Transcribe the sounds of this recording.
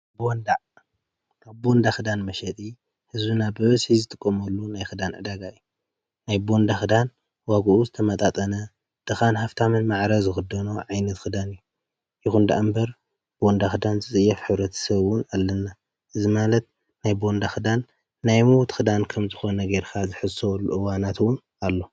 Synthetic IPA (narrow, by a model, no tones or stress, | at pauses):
bond̪a | kaβbo̞nd̪axɨd̪anmɐʃɐt̪ʼi | hɨzbunabɨβɐsizɨt̪ʰʼɨkʼːomɐlːunajxɨd̪anʕɨ̰d̪aɡaɨjːu | najbo̞nd̪axɨd̪an | waɡʔuzɨt̪ʰɐmɐt̪ʼat̪ʼɐnɐ | d̪̥ɨxanhaft̪ʰamɨnmaʕɾɐzɨxɨd̪ɐnoʕajnɐt̪xɨd̪anɨjːu | jɪxund̪aʔambɐɾ | bo̞nd̪axɨd̪anzɨt͡sʼɨjːɐfħɨβɾɐt̪ʰɐ̥sɐβwʊnalːɐnːa | ʔɨzimalɐt̪̚ | najbo̞nd̪axɨd̪anː | ajmuwt̪xɨd̪ankʰɐmzɨxo̞nɐɡejɾkʰazɨħɨsolːuʔɨwanat̪ʰwʊn | alːo̞